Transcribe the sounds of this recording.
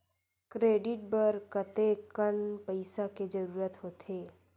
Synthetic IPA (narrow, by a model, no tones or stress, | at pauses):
kɾeːɖɪʈ̚bəɾkət̪ekənpəɪsaked͡ʒəɾuːɾət̪ɦoːt̪ʰeː